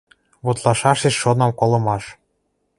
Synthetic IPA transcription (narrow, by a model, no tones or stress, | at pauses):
βot̪lɑʃɑʃeʃːonɤ̆mkolɤ̆mɑʃ